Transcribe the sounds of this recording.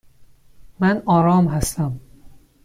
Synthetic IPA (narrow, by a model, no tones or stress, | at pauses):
mænɒːɾɒːmɦæst̪æm